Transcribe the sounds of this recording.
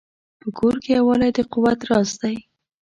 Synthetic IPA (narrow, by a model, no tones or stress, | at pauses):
pəkʰoɾkejawɑlajd̪əqʊwat̪ɾɑsd̪aj